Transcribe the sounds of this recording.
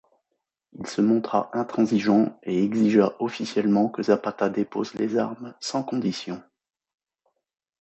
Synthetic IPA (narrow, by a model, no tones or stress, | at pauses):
ilsəmɔ̃t̪χa̰ʔɛ̃t̪χɑ̃ziʒɑ̃eɛɡziʒaʔɔfisjɛlmɑ̃kəzapat̪ad̪epozlezaʁmsɑ̃kɔ̃d̪isjɔ̃